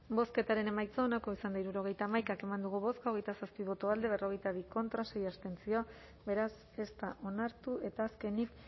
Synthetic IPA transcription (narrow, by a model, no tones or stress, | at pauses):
bo̞ske̞t̪aɾe̞ne̞majt͡soːnako̞isand̪aiɾuɾo̞ɣ̞e̞jt̪aːmajkake̞mand̪uɣuβo̞skaoɣ̞e̞jt̪asaspiβo̞t̪oald̪e̞β̞e̞ro̞ɣ̞e̞jt̪aβiko̞nt̪ɾase̞jast̪e̞nt͡sio̞a | βe̞ɾas | e̞st̪aʔo̞naɾt̪ue̞t̪aːske̞nik